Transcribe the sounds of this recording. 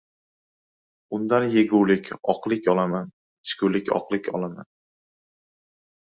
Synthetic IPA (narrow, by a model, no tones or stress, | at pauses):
ʊnd̪anjeɡuwlɪkʲʰɒqlˠɪkʲʰɒlˠaman | ɪ̥ʃkʰʲʊlɪkʲɒ̰qlˠɪkʲʰɒ̰lˠama̰n